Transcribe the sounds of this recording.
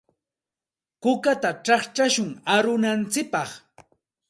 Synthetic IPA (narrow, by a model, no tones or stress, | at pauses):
kʊkat̪aʈ͡ʂɑχt͡ʃaʃʊŋaɾʊnant͡sɪk̚pɑχ